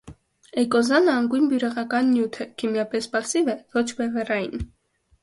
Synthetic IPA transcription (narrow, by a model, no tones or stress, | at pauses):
ɛkɔzɑnəɑŋɡujnbjuɾɛʁɑkɑnːjut̪ʰɛkʰimjɑpɛspɑsivɛvɔt͡ʃʰbɛvɛrɑjin